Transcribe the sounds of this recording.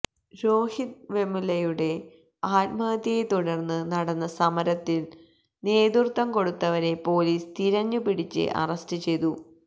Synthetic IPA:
ɾo̞ːhit̪̚ʋe̞mulɐjuɽe̞ | aːt̪̚mɐd̪ijet̪uɽɐrnːɨnɐɽɐnːɐsɐmɐɾɐt̪ːil | neːd̪urt̪ːɐmko̞ɽut̪ːɐʋɐɾe̞po̞ːliːst̪iɾɐɲːupiɽit͡ɕːɨ̰ʔɐ̰rɐstɨt͡ɕe̞jt̪u

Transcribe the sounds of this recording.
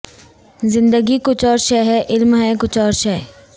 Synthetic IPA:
zɪ̃nd̪əɡikʊt͡ʃʰɔːɾʃɛɦɛʔɪlmɦɛkʊt͡ʃʰɔːɾʃɛː

